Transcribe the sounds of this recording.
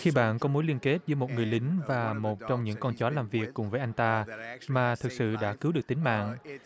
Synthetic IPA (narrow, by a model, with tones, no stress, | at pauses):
xi˧ɓa̰ː˧˨nkɔ˨˦mo˨˦jli˧ənke˦˥t̚zəː˨˦jmo˨˩t̚ŋɨ˨˩əjlï˨˦ŋ̟vaː˨˩mo˨˩t̚t͡ɕɔ˧wŋ͡mɲɨ̰˧˥ŋkɔ˧nt͡ɕɔ˨˦laː˨˩mvi˨˩əkːʊ˨˩ŋ͡mvəː˨˦jʔa˧jŋt̪aː˧maː˨˩t̪ʰɨ˨˩k̚sɨ̰˧˨ɗa̰ː˧˥kɨ˨˦wɗɨ˨˩ək̚t̪ï˨˦ŋ̟ma̰ː˧˨ŋ